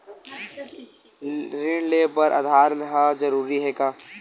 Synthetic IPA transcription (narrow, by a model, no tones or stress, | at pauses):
ɾɪɳleːbəɾʔa̰d̪ʱaːɾənɦad͡ʒɐɾuːɾiɦɛːkaː